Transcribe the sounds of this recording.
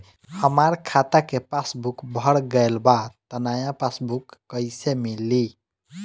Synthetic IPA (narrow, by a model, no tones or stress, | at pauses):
həmaɾkʰat̪akepasbukbʱəɽɡəjlbat̪ənajãpasbukːəɪsemilːi